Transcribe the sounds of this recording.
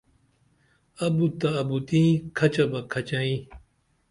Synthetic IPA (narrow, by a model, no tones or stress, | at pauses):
ɐbut̪ɐːbut̪ĩːkʰɐt͡ɕɐbɐkʰɐt͡ɕãĩ